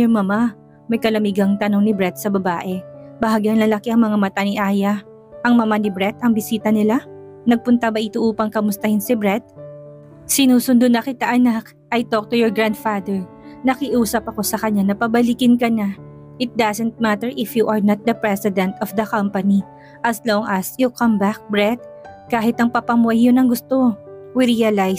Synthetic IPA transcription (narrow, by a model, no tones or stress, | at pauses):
ɛmɐma | mɐjkɐlɐmiɡɐŋt̪ɐno̞ŋnɪbɹɛt̪̚sɐbɐbaːʔɛbɐhaɡɐŋlɐlɐkiʔɐŋmɐŋamɐt̪anɪʔaːjɐ | ʔɐŋmɐmanɪbɾɛt̪ɐŋbɪsiːt̪ɐnɪlanɐɡ̚pʊnt̪abɐʔɪt̪oʔuːpɐŋkɐmʊst̪ɐhɪnsɪbɾɛt̪̚ | sɪnuːsʊnd̪onɐkɪt̪aʔɐnak | ʔɐjt̪ok̚t̪ujɔɹɡɹand̪fad̪ɛɹ | nɐkɪʔuːsɐpɐko̞sɐkɐɲːanɐpɐbɐlɪkɪnkɐna | ʔɪt̪̚d̪asɛnt̪̚mat̪ɛɹʔɪfjuʔɐɹnɐt̪̚d̪ɐpɹɛsɪd̪ɛ̃nt̪ɔfd̪ɐkɐ̃mpɐni | ʔɐsloŋɐsjukɐmbak̚bɹɛt̪̚ | kaːɦɪt̪ɐŋpɐpɐmuɐjjonɐŋɡʊst̪o̞wɪɾiɐlaj